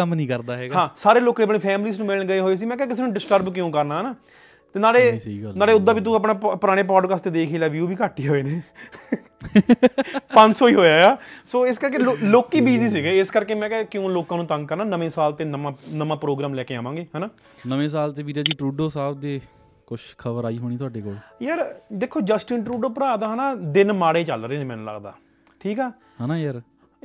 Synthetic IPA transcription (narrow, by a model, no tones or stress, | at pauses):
əmnĩːkəɾd̪aːɦɛːɡaɦãːsaːɾeːloːkaːəpneːpʰɛːmliːsnũmɪlɳɡəeːɦoːeːs̬iːmɛ̃ːkɛːkɪseːnũːɖɪsʈəɾbkjõːkəɾnaːnaː | t̪eːnaːleːnaːleːʊd̪ːaːbʱiːt̪̬ũːəpnaːpʊɾaːɽ̃eːp̬ɔːɖkaːst̪eːd̪eːkʰeːlaːʋjuːbʱiːkaːʈːiːɦoːeːneː | pə̃nsoːiːɦoːjaːaːsoːɪskəɾkeːloloːkːiːbiːziːsɪɡeɪskəɾkeːmɛ̃ːkɛːkɪjõːloːkãːnũːt̪ə̃ŋɡ̚kəɾnaːnəʋẽːsaːlt̪eːnəmãːnəmãːpɾoːɡɾaːmlɛːkeːaːmãːŋɡeːɦɛːnaː | nəʋẽːs̬aːlt̪eːbiːɾaːd͡ʒiːʈɾuːɖoːsaːb̚d̪eː | kʊʃkʰəbəɾaːiːɦoːɽ̃iːt̪ʊaːɖeːko̰ːljəɾd̪eːkʰːoːd͡ʒəsʈɪɳʈɾuːɖoːpɾaːd̪aːɦːnaːd̪ɪnmaːɽeːt͡ʃəlɾeːneːmɛ̃ːnũːlə̰ɡd̪a̰ː | ʈʰiːkɛː | ɦɛːnaːjəɾ